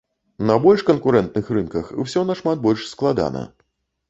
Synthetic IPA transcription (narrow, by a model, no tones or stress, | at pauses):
nɐbɔlʲʂkɐnkuɾɛnt̪̚nɨxrɨnkɐxwsʲɔnɐʂmat̪̚bɔlʲʂsklˠad̪a̰nɐ̰